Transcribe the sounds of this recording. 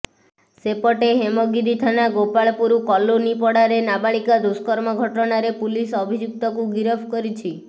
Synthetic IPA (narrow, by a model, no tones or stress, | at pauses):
sepɔʈeɦemoɡid̪it̪ʰanaɡopaɭpuɾukɔlonipɔɽaɾenabaɭikad̪uskɔɾmɔɡʱɔʈɔnaɾepulisɔbʱid͡ʒuk̚t̪ɔkuɡiɾɔbʱkɔɾit͡ʃʰi